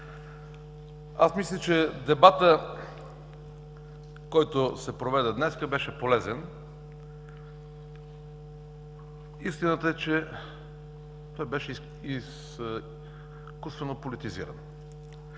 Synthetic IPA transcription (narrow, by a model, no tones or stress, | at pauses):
a̰smislʲət͡ʃɛd̪ɛbat̪ə | kɔjt̪osɛpɾovɛd̪ɛd̪nɛskəbɛʃɛpolɛzɛn | ist̪inət̪əɛt͡ʃɛ | t̪ɔjbɛʃɛ | is | kusvɛnopolit̪izḭɾə̰n